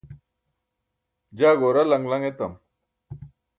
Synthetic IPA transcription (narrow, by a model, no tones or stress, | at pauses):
d͡ʑaːɡoɾalɐŋɡlɐŋet̪ɐm